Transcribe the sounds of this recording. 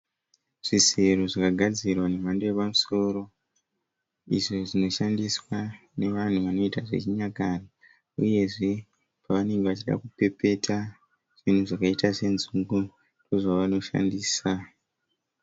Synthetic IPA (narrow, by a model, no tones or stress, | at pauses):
ʐ̥ise̞roʐakaɡʱad͡zirwane̞mandojepamuso̞ːɾo̞ | ḭʐo̞ʐino̞ʃandiswa | ne̞ʋan̤uʋano̞itaʐe̞̰t͡ʃiɲakaro | uje̞ʐe̞ | paʋane̞ŋɡe̞ʋat͡ʃiɗa̰kupe̞pe̞tʰa | ʐ̥in̤uʐakaitase̞nzuŋɡu | ndo̞ʐaʋano̞ʃa̰ndiːsa